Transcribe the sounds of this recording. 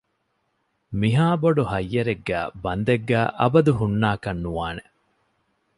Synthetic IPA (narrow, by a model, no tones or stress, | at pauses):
miɦaːboɖuhɐjːɐɾeɡːæ̰ːbɐnd̪ɐɡːæːʔɐ̰bɐd̪uɦunːaːkɐnːuʋaːne